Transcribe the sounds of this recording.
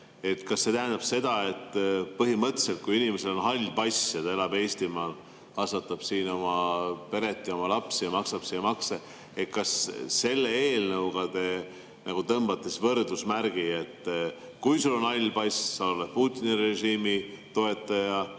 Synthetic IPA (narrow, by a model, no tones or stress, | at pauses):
e̞t̪kɑsːe̞t̪æɦend̪̥ɑb̥se̞d̪̥ɑe̞t̪ːpɤɦimɤt̪ːˑese̞lt̪̚kujinimese̞lo̞nɦɑlʲːpɑjsjɑt̪ɑe̞lɑbe̞ːst̪imɑːl | kɑsvɑt̪ːˑɑb̥siːno̞mɑpe̞ɾe̞t̪ːˑijo̞mɑlɑpsijɑmɑksɑb̥seɑmɑkse | et̪kɑsse̞lːe̞eːlnɤwɡ̥ɑd̪̥e̞ | nɑɡ̥ut̪ɤmb̥ɑt̪ːˑesvɤrd̪usmæɾɡ̥ie̞t̪ː | kujsulo̞nhɑlʲːpɑjssɑolepuːt̪ʲːˑinire̞ʒiːmi | t̪o̞e̞t̪ːˑɑjɑ